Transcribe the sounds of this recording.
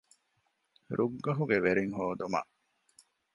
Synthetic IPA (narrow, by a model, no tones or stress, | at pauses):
ɾʔuɡːɐɦuɡeʋeɾiŋɦoːd̪umɐ̰ʔ